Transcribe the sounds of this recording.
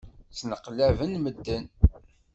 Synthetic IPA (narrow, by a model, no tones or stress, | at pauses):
snəqlævənməd̪ːən